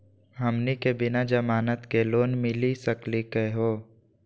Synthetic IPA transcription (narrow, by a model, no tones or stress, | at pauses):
ɦɐmnikebɪnad͡ʒəmaːnət̪keloːnmɪlisəklikəɦoː